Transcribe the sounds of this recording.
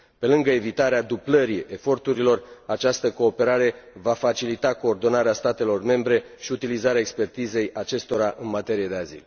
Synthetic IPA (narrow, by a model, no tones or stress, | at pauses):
pe̞lɨŋɡəe̞vit̪aɾead̪ubləɾie̞fo̞rt̪uɾilo̞rat͡ʃast̪əko̞ːpe̞ɾaɾe̞vafat͡ʃilit̪ako̞ːrd̪o̞naɾeast̪at̪e̞lo̞rme̞mbɾe̞ | ʃiut̪ilizaɾeaekspe̞rt̪ize̞jat͡ʃe̞st̪o̞ɾaʔɨnmat̪e̞ɾije̞d̪e̞azḭl